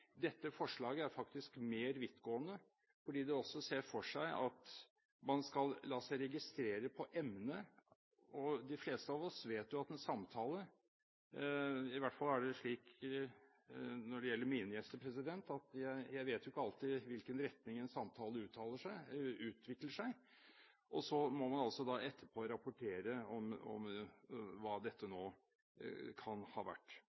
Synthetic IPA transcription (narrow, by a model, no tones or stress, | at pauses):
d̪ɛt̪ːəfɔʂɭɑːɡəæɾfɑkt̪ɪskmeːɾʋɪt̪ːɡoːənə | fɔɖiːd̪ɛɔsːɔseːɾfɔʂæɪʔɑ̰t̪ | mɑnskɑllɑːsæɪɾɛɡɪst̪ɾeːɾəpʰɔʔɛmnə | ɔd̪ɪfleːst̪əɑʋɔsʋeːt̪jʊɑt̪ːɛnsɑmt̪ʰɑːlə | ɪʋæʈːfɑlːæɖɛʂɭiːk | nɔɖɛjɛlːəɾmiːnəjɛst̪əpʰɾɛsɪd̪ɛnt̪ɑt̪jæɪjæɪʋeːt̪jʊɪkːəɑlt̪ɪʋɪlkənɾɛt̪nɪŋɛnsɑmt̪ʰɑːləʉːt̪ʰːɑːləʂæɪʉːt̪ʰʋɪkləʂæɪ | ʔɔsɔmɔmɑnɑlsɔd̪ɑɛt̪ʰːəpʰoːɾɑpʊʈʰeːɾəɔmɔ̰m | ʋɑːd̪ɛt̪ːənoː | kʰɑnhɑ̰ːʋæ̰ʈː